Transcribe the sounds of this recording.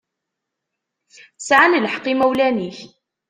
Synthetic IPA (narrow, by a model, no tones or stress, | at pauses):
sʕanələħqːimæwlæniç